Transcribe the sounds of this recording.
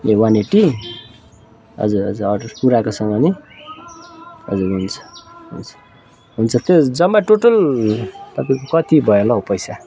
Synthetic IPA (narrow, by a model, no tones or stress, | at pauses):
ewaneʈi | ɦʌ̰d͡zuɾʌ̰d͡zuɾʌʌpuɾakosʌŋɡʌni | ʌ̰d͡zuɾɦunt͡sʰʌ̥ɦunt͡sʰʌ̥ | ɦunt͡sʰʌt̪jed͡zʌmːaʈoʈʌl | t̪ʌpaĩkokʌt̪ibʱʌelʌopʌjsa